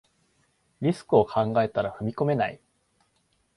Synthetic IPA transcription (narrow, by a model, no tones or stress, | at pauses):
ɾʲisɨ̥kɯ̟o̞kʰãŋɡae̞t̪aɾaɸɯ̟mʲiko̞me̞nai